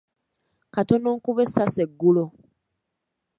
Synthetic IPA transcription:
katonoːŋkuβesaseɡːulo

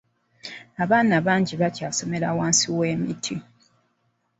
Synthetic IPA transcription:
aβaːnaβaːɲɟiβacaso̞me̞ɾawaːnsiweːmitʰi

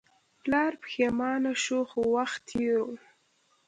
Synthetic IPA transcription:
plɑːɾpxemɑnaʃoxowaxt̪ʰːeɾo

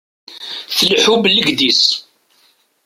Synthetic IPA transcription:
θəlħublːəɡd̪is

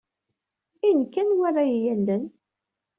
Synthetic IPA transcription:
inkːænwarˤːajjænd̪ən

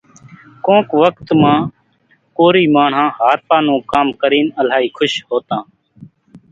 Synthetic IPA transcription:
kõːkʋək̚t̪mãː | koːɾiːmaːɳ̤ɦãːɦaːɾpaːnũːkaːmkəɾiːnəl̤aːɦiːkʰʊʃɦoːt̪ãː

